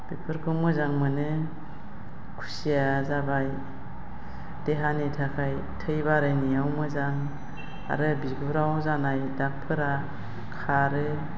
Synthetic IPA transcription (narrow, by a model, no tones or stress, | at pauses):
b̥ipʰɯɾkʰɯwmɯzaŋmɯnɯ | kʰu̥sijazabaj | d̥eɦanitʰakʰaj | tʰɯjbaɾɯjniawmɯzaŋ | a̰ɾɯbiɡuɾawzanajdak̚pʰɯɾa | kʰaɾɯ